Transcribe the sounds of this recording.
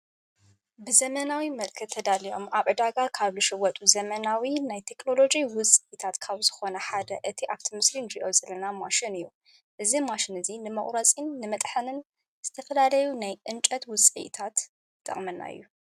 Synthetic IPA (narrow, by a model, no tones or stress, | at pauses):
bɨzɐmɐnawimɐlkʰɨt̪ʰːɐd̪alio̞̰mʔaβʕɨd̪aɡakʰaβzɨʃɨwɔt̪ʼuzɐmɐnawinajt̪ʰe̞kno̞lo̞d͡ʒiwʊsʼit̪ʰat̪kʰaβzɨxo̞nɐħad̪ɐʔɨt̪ʰiʔaβt̪ʰimɨslinɾiʔozɐlːɐnamaʃɪnɨjːu | ʔɨzimaʃɪnɨzinɨmɐχʼɾɐt͡sʼinːɨmɐt̪ʼħɨnɨn | z̥ɨt̪ʰɐfɐlalɐjunajʔɨnt͡ʃʼɐt̪wʊsʼḭt̪ʰat̪ːʼ | ɨ̰χʼmɐnːa̰ɨ̰jːu